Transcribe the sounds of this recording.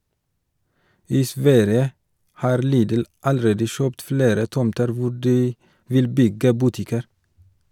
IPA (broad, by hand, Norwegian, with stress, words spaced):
ˈiː ˈsʋæɾjə ˈhɑːɾ ˈliːdl̩ ɑlˈɾeːdə ˈʃœpt ˈfleːɾə ˈtɔmtəɾ ˈʋʊ ˈɖiː ˈʋɪl ˈbʏɡə ˈbʉˌtɪkəɾ